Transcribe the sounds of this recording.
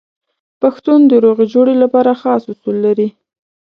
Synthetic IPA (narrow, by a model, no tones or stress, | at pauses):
paxt̪und̪əɾoɣid͡ʒoɽelapɑɾaxɑshʊsulːaɾi